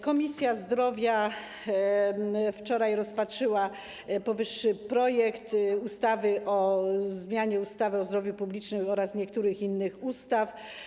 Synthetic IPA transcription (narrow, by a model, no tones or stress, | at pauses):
kɔmʲisʲjazd̪ɾɔvʲja | ft͡ʂɔɾajɾɔspatʂɘwa | pɔvɘʂːɘpɾɔjɛkt̪ust̪avɘʔɔzmʲjaɲɛust̪avɘɔzd̪ɾɔvʲjupublʲit͡ʂnɘmɔɾasɲɛkt̪uɾɘxinːɘxust̪af